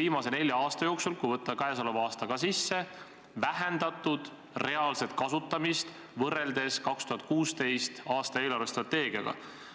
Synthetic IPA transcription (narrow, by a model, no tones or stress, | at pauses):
iːmɑse̞ne̞lʲjɑɑːst̪ɑjo̞ːksulkujvɤt̪ːɑkɑesolovɑːst̪ɑɡ̥ɑsisːe̞ | væɦe̞nd̪ɑt̪ːˑud̪̥ | re̞ɑːlse̞t̪̚kɑsut̪ːɑmist̪ | vɤrːe̞ld̪̥e̞skɑkst̪uɦɑt̪̚kuːst̪e̞jst̪ɑːst̪ɑe̞ːlɑrve̞st̪rɑt̪ːe̞ːɡ̥iɑ̰ɡ̥ɑ̰